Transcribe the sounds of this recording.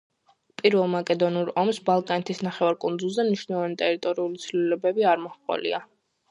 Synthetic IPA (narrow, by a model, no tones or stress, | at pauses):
pʼiɾvɛlˠmakʼɛd̪ɔnuɾɔmsbalˠkʼanɛt̪ʰisnaχɛvaɾkʼund̪zulˠzɛmniʃnɛlˠɔvanit̪ʼɛɾit̪ʼɔɾiulit̪sʰvlilɛbɛbiaɾmɔhqʼɔ̰lḭa